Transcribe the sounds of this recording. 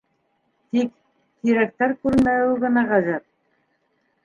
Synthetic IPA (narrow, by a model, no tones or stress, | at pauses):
t̪ik | t̪iɾæk̚t̪æɾkʉɾnmæwɘɣɤ̆nɑʁɑzɤt̪̚